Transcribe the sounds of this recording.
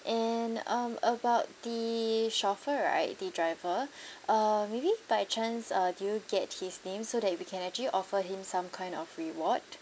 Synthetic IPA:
ʔɛnʌ̃məbaʊt̚d̥əʃɔfəɹa̰ɪt̚dədɹaɪvəʔamːebibaɪt͡ʃãnsʌdujuɡɛt̚hisnẽmsodɛt̚wikʰɛ̃nɛk̚t͡ʃəliʔɔfəɦĩmsãmkʰãɪ̃ndɔfɹiwɔd̚

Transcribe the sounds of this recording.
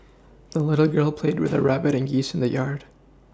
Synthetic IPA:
ðəlɪɾl̩ˠɡɜ˞lˠpʰl̥eɪd̚wɨ̰ðɨ̰ɹæbɨɾɨ̃nɡisn̩ðɨjɑɹd̥

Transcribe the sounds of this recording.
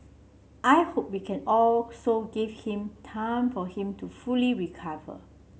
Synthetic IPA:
ʔajhop̚wikʰɛ̃nɔlsoɡivhĩmtʰãɪ̃mfɔhĩmtufuliɹikʰavə̰

